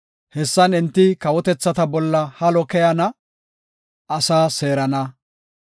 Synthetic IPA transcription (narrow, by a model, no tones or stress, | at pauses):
hɛsːɐnɪnt̪ːɪkɐwɔt̪ɛt͡sːɐt̪ɐbɔlːɐhɐlɔkɛjɐnɐ | ɐsaːse̞ːɾɐnɐ